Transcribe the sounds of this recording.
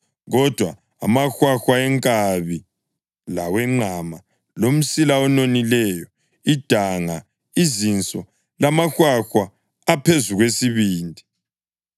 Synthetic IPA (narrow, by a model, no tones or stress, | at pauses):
ɣɔd̥ʱwa | a̰maxwaxwaɛŋkʼaβi | lawɛŋ͡ǃʱama | lom̩silaɔnonilɛjɔ | id̥ʱaŋa | izint͡sʼɔ | lamaxwaxwaː | pʰezuɣwesiβiːndʱi